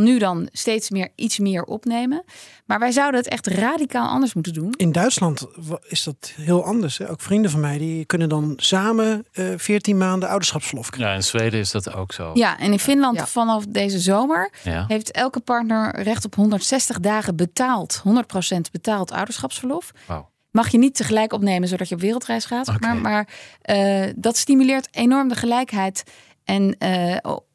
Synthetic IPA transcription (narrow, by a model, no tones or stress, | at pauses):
nydɑnstejtsmɪːɹʔitsmɪːɹɔ̰pnejmənmaːɹʋɛjzʌwdənɦətɛ̰χtraːdikaːlˠʔɑ̰ndəɹsmutəndunɪndœɥtslɑntɪzdɑtɦɪːlˠɑndəɹsɦɛʔowkfrindəvɑnmɛjdikɵnəndɑnsaːməfɪːɹtinmaːndəɑwdəsχɑpsfəɹlɔfkaɪ̰nzʋejdəɪsdɑto̰wkso̰jaʔɛ̰nɪnfɪnlɑntfɑnɑfdejzəzowməɹɦejftɛlˠkəpɑɹtnəɹrɛχtɔpɦɔndəɹtsɛstəχdaːχəbətaːlˠtɦɔndəɹt̚prosɛntbətaːlˠtʰʌ̰wdəɹsχɑpsfəɹlɔf | mɑχjənitːəχəlɛjkɔpnejmənzowdɑcjəɔpʋɪːrlˠtrɛjsχaːtsɛaːɹmaːɹ | dɑtstimylɪːɹtejnɔɹmdəχəlɛjkɦɛjt | ʔɛn̰